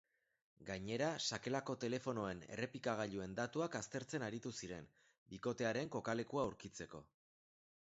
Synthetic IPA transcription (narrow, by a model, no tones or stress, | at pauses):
ɡaɲe̞ɾasake̞lako̞t̪e̞le̞fo̞no̞e̞ne̞̰re̞pikaɣ̞aʎue̞nd̪at̪uakast̪e̞ɾt͡se̞naɾit̪usiɾe̞n | biko̞t̪e̞aɾe̞ŋko̞kale̞kuawɾkit͡se̞ko̞̰